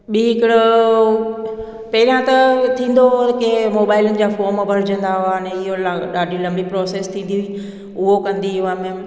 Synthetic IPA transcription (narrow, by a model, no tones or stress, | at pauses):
ɓiːɦɪkɪɽʊ | pɐɦɪɾijãt̪ɐt̪ʰĩːn̆d̪okemoːbaːɪlənɪ̆d͡ʑaːfoːɾmbʱɐɾɪd͡ʑə̃nd̪aɦʊaneɪɦolɗaːɖʱilɐ̃mbipɾɔːseːst̪ʰĩːn̆d̪i | ʊɦokɐ̃nd̪iʊʋəmẽ